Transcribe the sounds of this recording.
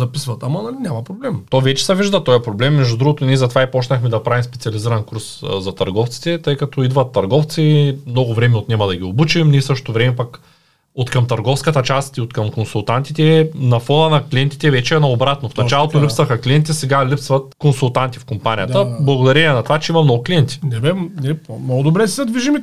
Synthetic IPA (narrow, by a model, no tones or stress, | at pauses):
zɐpisvɐt̪amɐnɐlinʲamɐpɾoblɛmt̪ɔjvɛt͡ʃɛ̥sɛviʒd̪ət̪ɔjɛpɾoblɛmːɛʒd̪ud̪ɾuɡot̪onɛzɐt̪ovaipɔt͡ʃnəxmɛd̪ɐpɾavimspɛt̪siɐliziɾɐnkuɾszɐt̪ɐɾɡɔft̪si̥t̪ɛt̪ɤjkɐt̪ɔid̪vɐt̪ːɐɾɡɔft̪simnɔɡʊvɾɛmɛot̪nʲɛmɐd̪ɐɡʲiobut͡ʃimnisɤʃto̥t̪ovɾɛmɛpak | ot̪kɐmt̪ɐɾɡɔfskət̪ət͡ʃast̪iot̪kɐmkonsulˠt̪ant̪it̪ɛnɐfɔnənɐkliɛnt̪i̥t̪ɛvɛt͡ʃɛɛnɐobɾat̪nofnɐt͡ʃalˠot̪olipsvɐxɐklʲiɛnt̪isɛɡalʲipsvɐt̪̚konsulˠt̪ant̪ifkompanʲijət̪əblˠɐɡod̪ɐɾɛnʲɛnɐt̪ovat͡ʃɛimɐmnɔɡʊkliɛnt̪i̥nɛbɛnɛpmnɔɡʊd̪obɾɛsɛsɛd̪viʒim